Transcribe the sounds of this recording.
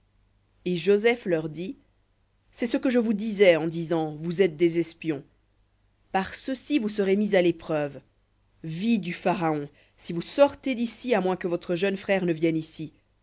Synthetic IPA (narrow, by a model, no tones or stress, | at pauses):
eʒozɛflœʁd̪i | sɛsəkəʒəvud̪izɛɑ̃d̪izɑ̃vuzɛt̪̚d̪ezɛspjɔ̃ | paʁsəsivus̬əʁemizalepχœv | vid̪yfaʁaɔ̃ | sivusɔʁt̪ed̪isiamwɛ̃kəvɔt̪χəʒœnfχɛːʁnəvjɛnisi